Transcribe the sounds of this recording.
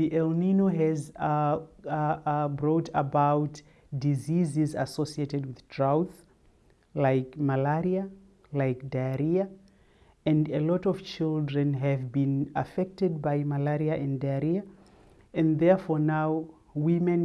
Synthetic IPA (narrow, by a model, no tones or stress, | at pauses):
ðiʔɛlˠninoɦɨz | bɹɔtəbaʊt | dizizɪzə̰sosieɾɨd̚wɪð̥tʰɹ̥aʊθ | laɪkmalɛɹia | laɪkdaɹia | ɨ̃ndəlɔɾɔv̥t͡ʃɪlˠdɹɨ̃nɦɨvbĩnəfɛk̚tɨd̚baɪmalɛɹiaʔɨ̃ndaɹia | ɨ̃nðɛɹfɔɹnaʊ | wĩmɨ̃n